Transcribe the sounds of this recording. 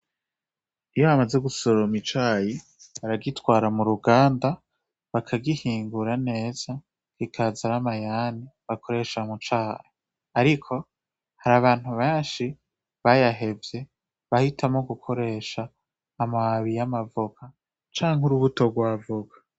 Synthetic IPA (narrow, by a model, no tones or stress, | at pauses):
ijoβamaze̞ɡusoɾomit͡ʃaːji | βaɾaɡitwaːɾamuɾuɡaːnda | βakʰaɡihiːŋɡuɾane̞ːz̥a | kikʰazaɾamajaniβakʰo̞ɾe̞ʃamut͡ʃaːhe | aɾikʰo̞ | haɾaβaːn̥huβeːnʃi | βajaɦe̞vje̞ | βahitʰamoɡukʰo̞ɾe̞ːʃaː | maβijamavuka | t͡ʃaːŋhuɾuβuto̞ɡwavukḁ